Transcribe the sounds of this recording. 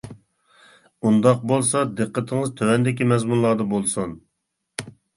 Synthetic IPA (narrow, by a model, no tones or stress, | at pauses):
und̪ɑq̚bolˠsɑd̪ɨqːət̪ʰɪŋɨzt̪ʰøwɛnd̪ɪkʲimɛzmunlˠɑɾd̪ɑbolˠsun